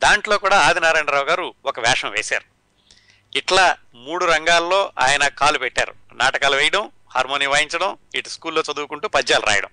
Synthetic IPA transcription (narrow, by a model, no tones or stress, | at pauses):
d̪aːɳʈlo̞ːkuːɽaːaːd̪inaːɾeːɳɖɾaːʋuɡaːɾuɔkɐʋɛːʂnɐmʋeːsa̰ːɾu | iʈlaː | muːɽuɾɐŋɡaːlːo̞ːʔa̰ːjɐnɐkaːlupɛʈːa̰ːɾṵnaːʈɐkaːluʋɛjɐʈɐm | ha̰ːɾmoːniːʋaːjiɲt͡ʃɐɽɐmiʈuskuːlːoːt͡ʃɐd̪uːkuɳʈuːpɐd͡ʒːaːluɾʔa̰ːjɐɽɐ̰m